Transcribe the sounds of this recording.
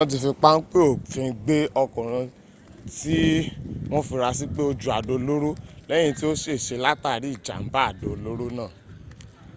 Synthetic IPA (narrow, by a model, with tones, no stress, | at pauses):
ɔ̃˧t̬i˧˨fĩ˧k͡pa˦n̩˦k͡pe˦o˦˨fĩ˨˧ɡ͡be˦ɔ˧kɔ̃˨ɾ̃ã˧ | ti˦w̃ɔ̃˦fi˧ɾa˧s̬i˦k͡pe˦o˧d͡ʒu˨˦a˨do˨˧lo˦ɾu˦lɛ̃˦ĩ˧ti˦o˦ʃe˦˨ʃe˧la˦ta˦˨ɾi˨˦i˦˨d͡ʒa̰˨m̩˦ba˦a˦˨do˨lo˦ɾo˦nãː˦˨